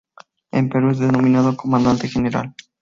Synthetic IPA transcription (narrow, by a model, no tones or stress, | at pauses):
ḛmpeɾuezðenomĩnaðokomãnd̪ant̪exeneɾa̰l